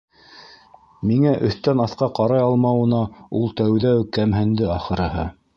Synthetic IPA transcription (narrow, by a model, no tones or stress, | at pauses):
miŋæʔɵ̆θt̪ænɑθqɑqɑɾɑjɑlˠmɑwɤ̆nɑulˠt̪æwðæwkæmɦɘ̆nd̪ɘɑχɤ̆ɾɤ̆ɦhɤ̰